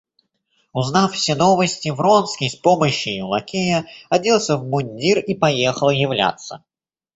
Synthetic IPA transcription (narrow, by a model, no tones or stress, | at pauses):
ʊznaffsʲeno̞vəsʲtʲɪvro̞nskʲəjspo̞məɕːɪjʊlˠɐ̰kʲejəɐdʲilˠsʲəvmʊnʲdʲiripɐjexəlˠjɪvlʲa̰t̪sə̰